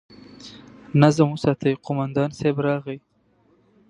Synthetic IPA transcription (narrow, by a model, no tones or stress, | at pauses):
nazamusat̪ʰajqʊmand̪ɑnsebɾɑɣij